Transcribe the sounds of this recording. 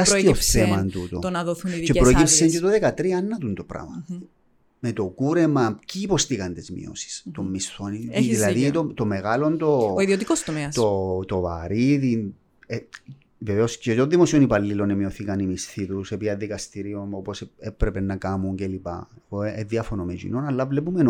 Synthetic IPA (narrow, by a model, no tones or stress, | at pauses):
ɐst̪ioθemɐnt̪ut̪ot̪onɐðoθunit͡ʃe̞pɾoecipseɲcet̪oðekɐt̪ɾiɐɐnːɐt̪unt̪opɾɐ̰mɐ | met̪o̞kuɾe̞mɐciːpo̞st̪ikɐnt̪izmḭo̰si̥st̪omːist̪oniiilɐðit̪ot̪ome̞ɣɐlo̞nt̪o̞oiðiot̪ikost̪omeɐst̪ot̪o̞vɐ̰ɾiði | e | veveoscet̪onðːimo̞sionipɐlːilo̞nemioθikɐnimist̪it̪usepiɐðikɐst̪iɾionopo̞sepɾepenːɐkɐmuɲcelipɐ̰eɣoeðiɐfonomecḭnonɐlːɐvlepumen